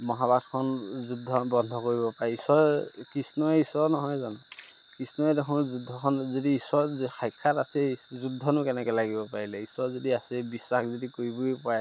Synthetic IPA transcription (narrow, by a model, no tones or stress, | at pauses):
mɔɦabatʰkʰɔnzudʱːɔbɔnd̪ʱɔkoɹibɔpaɹiisɔɹkisnɔɛisɔɹnɔɦɔjzanɔ | kisnɔɛdɛkʰɔ̃zudʱɔkʰɔnzodiːsɔɹxʰajkʰːatasɛzudʱːɔnʊkɛnɛkɛlaɡibɔpaɹilɛisɔɹzodiasɛbisːakʰzodikoɹibuipɔaj